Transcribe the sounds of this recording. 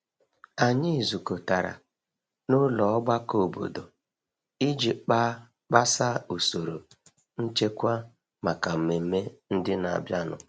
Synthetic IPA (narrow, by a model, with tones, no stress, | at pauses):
a˨ɲɪ˦˨zu˨ko˨ta˨ɾa̰˨ | nʊ˦lɔ˨ɔ˦ɡ͡ba˦ko˨bo̰˨do˨ | i˦d͡ʒi˨k͡pa˦ | k͡pa˦sa˦u˨so˨ɾo˨ | n̩˦t͡ʃe˦kʷa˦ | ma˨ka˨m̩˨me˨m̩˦me˦n̩˦dɪ˦na̰˨bja˦nʊ̰˨